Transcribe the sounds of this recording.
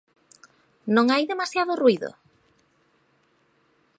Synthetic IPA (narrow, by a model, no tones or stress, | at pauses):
nõŋajðemasjaðʊruiðo̰